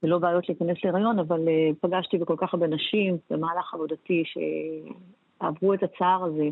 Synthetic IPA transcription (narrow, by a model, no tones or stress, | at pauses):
velo̞beajo̞tliːkane̞sleʁajo̞navalepaɡaʃtibeko̞lkaχabenaʃimbemaːlaχavo̞datiʃe̞̰ | a̰ːvʁue̞tat͡saːʁaze̞